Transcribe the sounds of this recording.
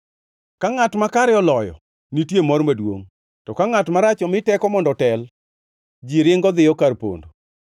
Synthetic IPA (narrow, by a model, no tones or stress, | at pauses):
kaŋatmakaɾɛɔlɔjɔ̰ | nitjemɔrmadwoŋ | tɔkaŋatmaɾat͡ʃɔmɪtɛkɔmɔndɔtɛl | d͡ʒiɾɪŋɡɔd̪ɪjɔkarpo̰ndo